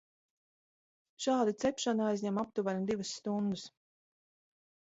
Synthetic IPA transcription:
ʃaːd̪it̪sɛpʃanajzʲɲʲamap̚t̪uvaɾd̪ivusːt̪und̪us

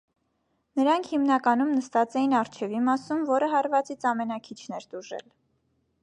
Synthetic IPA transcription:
nəɾɑŋkʰhimnɑkɑnumnəst̪ɑt͡sɛjinɑrt͡ʃʰɛvimɑsumvɔɾəɦɑɾvɑt͡sit͡sʰɑmɛnɑkʰit͡ʃʰnɛɾt̪uʒɛ̰l

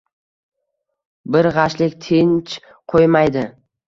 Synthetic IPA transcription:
bɪɾʁɑʃlɪkʲt̪ʰent͡ʃ | qʰojmajd̪ɪ

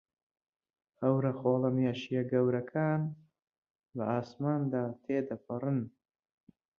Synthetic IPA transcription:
hɐwɾɐxoːlɐmjaʃijɐɡɐwɾɐkʰaːn | bɐaːsmaːnd̪aːt̪ʰeːd̪ɐpʰɐrɨn

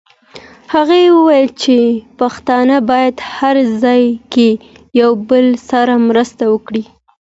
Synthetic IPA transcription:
haɣewəwajəlt͡ʃepaxt̪ɑnəbɑjad̪haɾzɑjke | jawbəlsaɾamɾəst̪awəkɽi

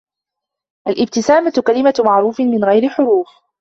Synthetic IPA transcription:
ʔalʔɪb̚t̪ɪsaːmakalɪmamaʕɾuːfɪmɪnɣajɾɪħʊɾuːf

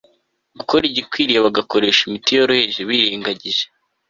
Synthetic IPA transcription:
ɡuko̞ɾiɟikwiːɾijeβaɡako̞ɾe̞ʃimitijoɾuheʒeβiːɾiːŋɡaɟiʒe

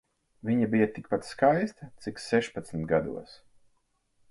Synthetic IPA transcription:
viɲabijat̪ik̚pat̪skajst̪ɐt̪siksɛʃpat̪smt̪ɡad̪ṵɔs

